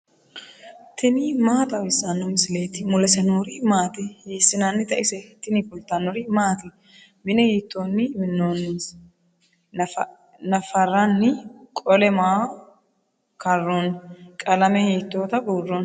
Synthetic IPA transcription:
t̪ɪnɪmaːt̪ʼɐwɪsːɐnːɔmɪsɪleːt̪ɪmʊlɛsɐnoɾɪmaːt̪ɪheːsːɪnanːɪt̪ɐʔɪsɛt̪ːɪnɪfɔlt̪ːɐnːɔɾɪmaːt̪ɪ | mɪnɛhiːt̪ːonːɪmɪnːon | nɐfɐɾɐnːɪkʼɔlɛmaː | kɐrːonkʼɐlɐmɛheːt̪ːoːt̪ɐbuːrːɔn

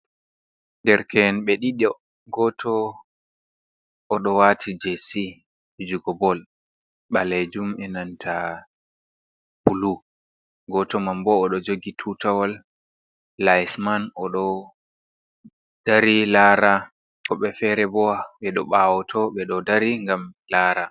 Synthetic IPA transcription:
ndɛɾkɛnɓɛɗiɗɔ | ɡɔtʰɔ | ɗɔwatʰid͡ʒesi | bid͡ʒuɡɔbɔl | ɓaled͡ʒumɛnantʰa | pulu | ɡɔtɔmambɔːɗɔd͡ʒoɡitʰutawalː | ajsmanɔɗɔ | d̥aɾilaːɾa | kɔɓɛfɛɾɛbɔwaɓɛɗɔ̰ɓawɔtʰɔɓɛɗɔdaɾiŋɡamlaːɾa

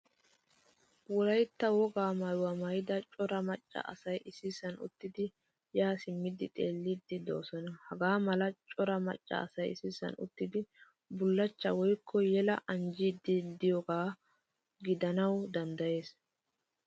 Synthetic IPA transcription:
wɔlɐjt̪ːɐwɔɡaːmɐjwɐmɐjɪd̪ɐt͡ʃʼɔɾɐmɐt͡ʃʼːɐ̰ʔɐ̰sɐjʔɪsɪsɐnʊ̰t̪ːɪd̪ɪ | jaːsɪmːɪd̪ɪt̪ʼeːlːɪd̪ːɪd̪o̞̰ːsɔnɐhɐɡaːmɐlɐt͡ʃʼɔɾɐmɐ̰t͡ʃʼːɐ̰ːsɐjɪ̰sɪsɐ̰nʊ̰t̪ːɪd̪ɪ | bʊlːɐt͡ʃːɐwɔjkʰːɔjɛlɐ̰ʔɐnd͡ʒid̪ːɪd̪ɪjɔɡaː | ɡɪd̪ɐnɐwd̪ɐnd̪ɐje̞ːs

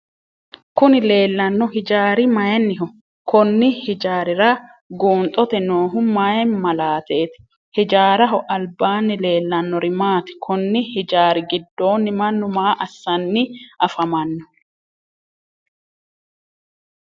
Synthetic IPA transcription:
kʊnɪle̞ːlːɐnːɔhɪd͡ʒaːɾɪmɐjɛnːɪɦɔ | kʰɔnːɪhɪd͡ʒaːɾɪɾa | ɡuːnt̪ʼːɔt̪ɛnoːɦʊmajɛmɐlaːt̪eːt̪ɪ̥ | hɪd͡ʒaːɾɐɦɔʔɐlbaːnːɪle̞ːlːɐnːɔɾɪmaːt̪ɪ̥kʰɔnːɪhɪd͡ʒaːɾɪɡɪd̪ːo̞ːnːɪmɐnːʊmaːʔɐsːɐnːɪʔɐfɐmɐnːɔ̥

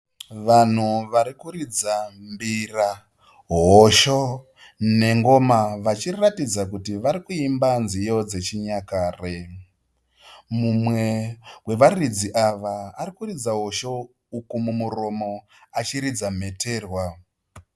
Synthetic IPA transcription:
ʋan̤uʋaɾikuɾid͡zambira | ɦoʃo | ne̞ŋɡo̞maʋat͡ʃiratid͡zakutiʋaɾikuimbanzijo̞d͡ze̞t͡ʃiɲakaːre | mumwe̞we̞ʋarid͡ziʔaʋaːɾikurid͡zaɦo̞ʃo̞ | ukumumuro̞mo̞ | at͡ʃiɾid͡zam̤e̞te̞ːrwa

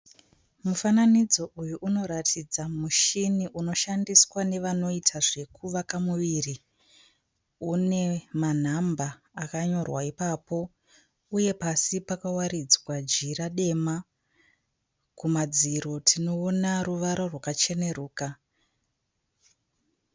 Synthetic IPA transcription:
mufananid͡zo̞ʔujuʔuno̞ɾatʰid͡zamuʃiniʔuno̞ʃandiswane̞ʋano̞itʰaʐe̞kʰuʋakamuʋiːri | une̞man̤ambaː | kaɲo̞rwaipapo̞ | uje̞pasipakawaɾid͡zwad͡ʒiraɗe̞ma | kumad͡ziɾo̞tʰino̞ːnaruʋaɾorwakat͡ʃe̞ne̞ruːka

